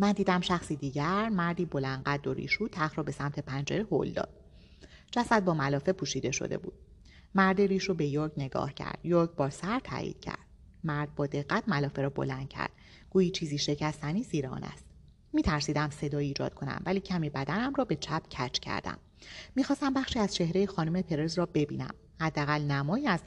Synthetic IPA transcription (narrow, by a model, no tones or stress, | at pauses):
mænd̪iːd̪æmʃæxsiːd̪iːɟæɾmæɾd̪iːbo̞lænd̪ɢæd̪ːo̞ɾḭːʃuːt̪ʰæxɾɒːbe̞sæmt̪ʰe̞pʰænd͡ʒeɾeho̰ld̪ɒ̰ːd̪̥ | d͡ʒ̥æsæd̪̚bɒːmælɒːfe̞pʰuːʃiːd̪e̞ʃo̰d̪e̞̰bṵːd̪̥ | mæɾd̪eɾiːʃobejoɾcne̞ɡɒ̰ːhcʰæ̰ɾd̪̥joɾcbɒːɾsæɾt̪ʰæ̰ːʔḭːd̪̥cʰæ̰ɾd̪̥̚ | mæɾd̪̚bɒːd̪e̞ɣːæt̪ʰmælɒːfe̞ɾɒːbo̞̰lænd̪̥̚cʰæ̰ɾd̪̥ | ɡ̥uːjiːt͡ʃʰiːziːʃe̞cʰæst̪ʰæniːziːɾeɒ̰ːnæ̰st̪ | miːt̪ʰæɾsiːd̪æmse̞d̪ɒːjiiːd͡ʒɒ̰ːd̪̚kʰo̞næ̰mvæliːcʰæmiːbæd̪ænæmrɒːbe̞t͡ʃʰæpʰcʰæt͡ʃʰcʰæ̰ɾd̪æ̰mː | ixɒːst̪æmbæχʃiːæz̥t͡ʃʰe̞hɾejixɒːnume̞pʰe̞ɾezɾɒːbe̞bḭːnæ̰m | hæd̪ːeæɣælnæmɒːjiːæz